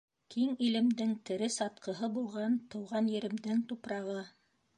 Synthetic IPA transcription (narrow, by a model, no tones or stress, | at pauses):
kʰiŋilɘ̆md̪ɘŋt̪ɘ̆ɾɘsɑt̪̚qɤ̆ɦɤbulˠʁɑnt̪ɤ̆wʁɑnjɘ̆ɾɘ̆md̪ɘŋt̪upɾɑʁɤ